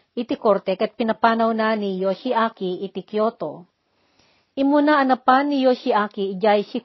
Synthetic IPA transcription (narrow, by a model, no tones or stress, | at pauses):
ʔɪt̪ikoɾt̪ɛkɐt̪̚pɪnɐpaːnɐwnanijoʃiʔaːkiʔɪt̪ikjoːt̪o | ʔɪmunaɐnɐpanːijosiʔaːkid͡ʒajsi